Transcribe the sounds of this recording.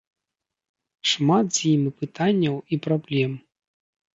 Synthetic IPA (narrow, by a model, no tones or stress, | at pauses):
ʂmat̪z̥ʲjimʲipɨt̪anʲːɐwipɾablʲɛm